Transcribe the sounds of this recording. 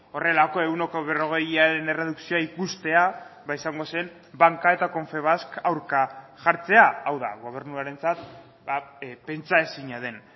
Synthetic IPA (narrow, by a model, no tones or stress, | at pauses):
o̞re̞lako̞e̞uno̞koβe̞ro̞ɣ̞e̞jaɾe̞ne̞re̞ð̞uksioaikust̪e̞aβaisaŋɡo̞se̞m | baŋkae̞t̪ako̞ɱfe̞β̞askawɾkaʝaɾt͡se̞aːwða̰ɣ̞o̞β̞e̞ɾnuaɾe̞nt͡sat̪ | ape̞nt͡sae̞siɲað̞e̞n